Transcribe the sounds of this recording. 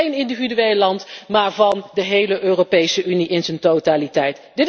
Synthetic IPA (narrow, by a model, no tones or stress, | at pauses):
ejnɪndividyejlɑntmaːɹvɑndəɦejləʔøːropejsəʔyniʔɪnzəntotaːlitɛjt | d̥ɪt